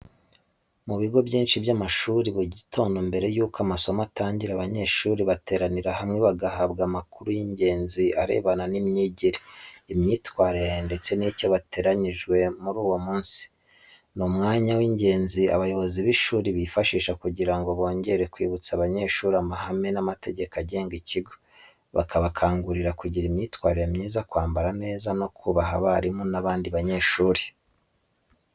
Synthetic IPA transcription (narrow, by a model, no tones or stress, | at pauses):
muβiɡo̞bɟiːnʃiβjamaʃuːɾiβuɟito̞ːndo̞mbe̞ɾe̞juːkoamaso̞mataːɲɟiɾaβaɲe̞ːʃuːɾiβate̞ːɾaniɾahamŋe̞βaɡaɦabɡamakuɾujiɲɟe̞ːnziaɾe̞̰ːβananimɲiːɟiɾeimɲiːtwaːɾeɾende̞t͡se̞nico̞βate̞ːɾaɲiʒɡwe̞muɾuːwo̞muːnsi̥ | numŋaːɲawiɲɟe̞ːnzia̰βajo̞βo̞ziβiʃuːɾiβifaʃiːʃakuɟiɾaŋɡo̞βo̞ːɲɟe̞ɾekwiːβut͡saβaɲe̞ʃuːɾamaɦame̞namate̞ɟe̞kaɟe̞ːŋɡiciɡo̞ | βa̰kʰaβakʰaːŋɡuɾiɾakuɟiɾimɲiːtwaːɾijamɲiːzakwaːmbaɾane̞ːzano̞kʰuβaɦaβaɾimonaβaːndiβaɲe̞ːʃuːɾi̥